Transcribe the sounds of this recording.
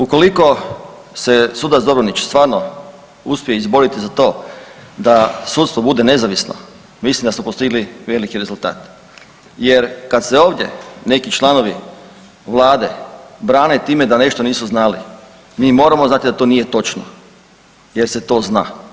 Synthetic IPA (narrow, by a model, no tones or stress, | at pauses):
uko̞liko̞ | se̞suːd̪azobɾonit͡ʃst̪ʋaːɾno | uspʲijeizbo̞ɾit̪izat̪o̞d̪asuːt̪st̪ʋo̞bud̪e̞ne̞zaʋisno̰ | mislimd̪asmopost̪iɡliʋe̞likiɾe̞zulˠt̪a̰ːt̪ | je̞ɾkad̪seo̞ːʋd̪je̞̰ne̞kit͡ʃlˠano̞ʋi | ʋlˠaːd̪e̞bɾaːnet̪iːme̞d̪ane̞ʃt̪oniːsuznaːlḭ | miːmo̞ːɾamoznat̪id̪at̪o̞nije̞t̪o̞t͡ʃno | jeɾse̞t̪o̞ːzna̰ː